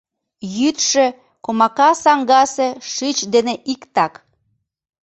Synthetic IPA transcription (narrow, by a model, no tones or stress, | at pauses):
jyt̪ʃe | komɑkɑsɑŋɡɑseʃyt͡ɕd̪eneʔikt̪ɑk